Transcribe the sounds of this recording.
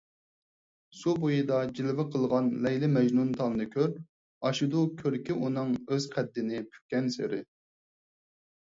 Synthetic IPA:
subojid̪ɑd͡ʒilɪvɪqʰəlˠʁɑnlɛjlɪmɛd͡ʒnunt̪ʰɑlˠnɨkʲʰøɾ | ɑʃud̪ukʲʰøɾkʲiʔunɨŋøz̥qʰæd̪ːɪnɪpʰy̥kʲːɛnsḛɾɪ̰

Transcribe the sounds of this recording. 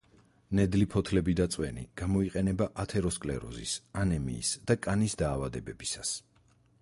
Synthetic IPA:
nɛd̪lipʰɔt̪ʰlɛbid̪at̪sʼwɛnḭɡ̥amɔiqʼɛnɛbaʔat̪ʰɛɾɔskʼlɛ̰ɾɔ̰zḭsanɛmḭːsd̪̥akʼanisd̪aːvad̪ɛbɛbisas

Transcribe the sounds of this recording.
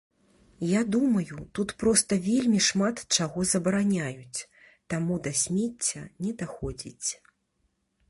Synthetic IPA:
jad̪umɐjut̪ut̪pɾɔst̪ɐvʲelʲmʲiʂmat̪t͡ʂaɣɔzɐbɐɾanʲajut͡sʲ | t̪amud̪ɐsʲmʲet͡sʲːɐ̰nʲɛd̪axɔd͡zʲḭt͡sʲ

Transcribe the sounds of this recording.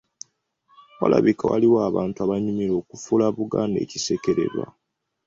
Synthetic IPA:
wala̰βikawa̰liwaaːβaːntuaβaɲumiɾo̞ːkufulaβuɡaːnde̞̰ːcise̞ke̞ɾe̞̰ɾwa

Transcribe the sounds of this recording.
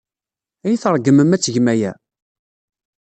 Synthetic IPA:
æjiθəɾˤɡəməmæt͡sːʝəmæjæ

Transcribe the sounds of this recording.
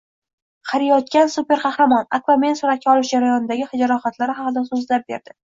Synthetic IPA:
qʰɑɾɪjɒt̪̚kʲansupe̞ɾqʰɑhɾamɒna̰kvame̞nsʊɾat̪̚kʰʲaɒlˠɪʃd͡ʒaɾajɒnɪd̪aɡʲɪhɪd͡ʒaɾɒχat̪laɾɪɦɑqɨd̪asʊzlap̚be̞ɾd̪ɪ

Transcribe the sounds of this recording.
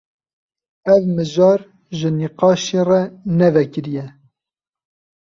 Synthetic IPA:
ɛvmɨʒɑːɾ | ʒəniqɑːʃerɛnɛvɛkəɾijɛ

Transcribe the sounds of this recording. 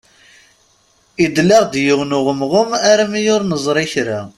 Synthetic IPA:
id̪læʁd̪jəwnʊʁəmʁəmaɾamijʊɾnəzˤɾˤɪçɾa

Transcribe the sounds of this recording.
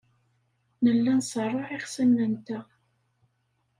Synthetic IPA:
nəlːænsˤərˤːɑʕiχsəmnənt̪æ

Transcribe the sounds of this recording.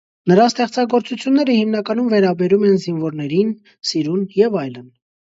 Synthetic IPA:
nəɾɑst̪ɛχt͡sɑɡɔɾt͡sut͡sʰjunːɛɾəhimnɑkɑnumvɛɾɑbɛɾumɛnzinvɔɾnɛɾin | siɾunjɛvɑjlən

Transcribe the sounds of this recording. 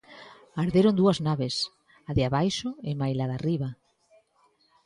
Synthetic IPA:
aɾðeɾond̪uɐznaβes | aðɪaβajʃʊemajlaðariβa

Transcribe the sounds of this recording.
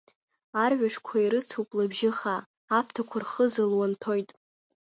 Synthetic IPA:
arʕʷᶣaʂkʷʰaiɾɨt͡sʰupʼlɨbʒɪχaː | pʰtʰakʷʰarχəzɨlwantʰojtʼ

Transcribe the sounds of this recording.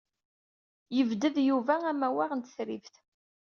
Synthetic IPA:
jəvd̪əðjuvææmæwæʁənt̪əθɾivθ

